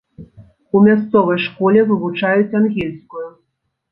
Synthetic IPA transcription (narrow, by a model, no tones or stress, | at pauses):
umʲast̪sɔvɐjʂkɔlʲɛvɨvut͡ʂajut͡sʲanɣʲɛlʲskuju